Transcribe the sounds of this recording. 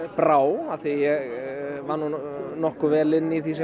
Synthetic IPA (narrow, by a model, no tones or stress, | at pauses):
pɾaːwaθijɛɣvanːunɔhkʏvɛːlɪnːiθis̬ɛ